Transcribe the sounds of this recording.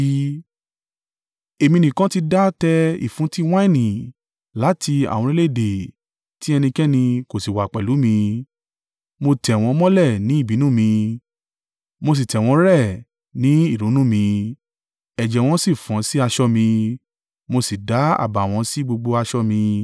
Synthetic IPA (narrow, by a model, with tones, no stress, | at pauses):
e˨mĩ˧˦nĩ˨kã˦ti˦˧da˦tɛ˧ḭ˨fũ˨˦ti˦w̃ã˦i˦˨nĩ˨ | la˨˦ti˧a̰˨wɔ̃˧ɾe˦le˦˨de˨ | ti˦ɛ˧nĩ˧kɛ˦nĩ˧ko˨si˨wa˨k͡pɛ˨lu˨˦mĩ˧ | mo˧tɛ˨w̃ɔ̃˧˦mɔ̃˦lɛ˦˨nĩ˨˦i˦˨bi˨˦nũ˦˨mĩ˧ | mo˧s̬i˨tɛ˨w̃ɔ̃˨˧˦ɾɛ˦˨ | nĩ˨˦i˦˨ɾũ˨˦nũ˦mĩ˧ | ɛ˨d͡ʒɛ˨w̃ɔ̃˧˦si˦˨fã˨˦si˦a˧ʃɔ˧mĩ˧ | mo˧si˨da˨˦a̰˦˨ba˨w̃ɔ̃˧˦si˦ɡ͡bo˧ɡ͡bo˧a˧ʃɔ˧mĩ˧